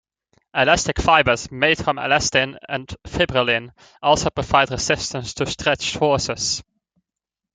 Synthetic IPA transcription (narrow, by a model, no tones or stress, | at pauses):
əlæstɪkfaɪbəz̥meɪd̥fɹə̃mə̰lɛstɪ̃nə̰̃nfɪbɹəlɪ̃n | ɔlˠsoʊpʰɹ̥əv̥aɪdəsɪstə̃nstʰɨstʰɹ̥ɛt͡ʃhɔɹsɪz̥